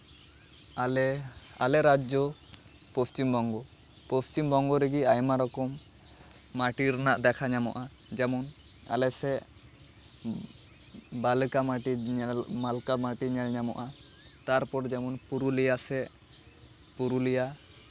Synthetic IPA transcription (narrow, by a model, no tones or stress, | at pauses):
ala̰lɛɾad͡ʒɔ | post͡ʃimbɔŋɡɔ | post͡ʃimbɔŋɡɔɾeɡiajmaɾɔkɔmː | aʈiɾnaʔd̪ɛkʰaɲamɔ̰ʔa | d͡ʒɛmɔn | a̰lɛsɛ | balkamaʈimalkamaʈiɲɛlɲamɔ̰ʔat̪aɾpɔɾd͡ʒɛmɔnpuɾulijasɛ | puɾulija